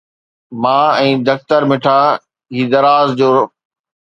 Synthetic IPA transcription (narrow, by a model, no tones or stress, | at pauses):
mãːɛ̃ːd̪ɐkt̪əɾmɪʈʰa | ɦiːd̪ɐɾaːzd͡ʑoː